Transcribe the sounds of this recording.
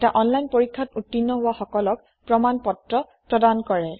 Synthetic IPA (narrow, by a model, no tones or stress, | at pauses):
ɛtaʔɔnlajnpoɹikʰːatutːinːɔɦʊwaxɔkɔlɔk | pɹɔmanpɔtɹɔ | pɹɔdankɔɹɛ